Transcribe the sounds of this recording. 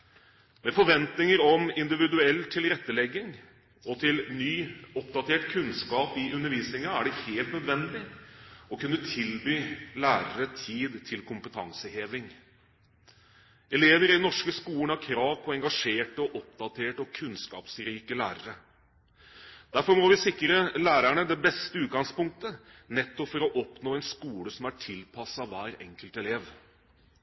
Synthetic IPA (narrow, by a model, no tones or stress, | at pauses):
mɛfɔɾʋɛnt̪nɪŋəɾɔmɪnd̪ɪʋɪd̪ʉɛlːt̪ʰɪlɾɛt̪ːəlɛɡːɪŋ | ɔt̪ʰɪlnyːɔpd̪ɑt̪ʰeːʈkʰʉnskɑːpɪʔʉnːəɾʋiːsnɪŋɑæɖɛheːlt̪nœd̪ʋɛnd̪ɪɔkʉnːət̪ʰɪlbyːlæːɾəɾət̪ʰiːd̪t̪ʰɪlkʰʊmpət̪ʰɑ̰ŋsəheːʋɪŋ | ɛleːʋəɾɪdnɔʂkəskuːəɳɑʋkʰɾɑːʋpʰɔɛŋɡɑʂeːʈəɔʔɔp̚d̪ɑt̪ʰeːʈɔkʰʉnskɑ̰ːpsɾiːkəlæːɾəɾə | d̪̥æɾfɔɾmɔʋɪsɪkːɾəlæːɾæɳəd̪ɛbɛst̪əʉːt̪̚ɡɑŋspʊŋk̚t̪ə | nɛt̪ːɔpfɔɾɔʔɔpnoːɛnskuːləsɔmæʈʰɪlpʰɑsːɑʋæːɾɛŋkəlt̪ɛleːʋ